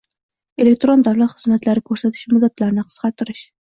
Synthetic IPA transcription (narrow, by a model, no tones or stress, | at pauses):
elek̚ʲt̪ɾond̪ɑɾlˠɑt̪χɨ̥smæt̪læɾɪkʲʰɵɾsæt̪ʰɪ̥ʃmud̪ːæt̪lˠɑɾnɪqʰə̥z̥qɑɾt̪ʰɨɾɨʃ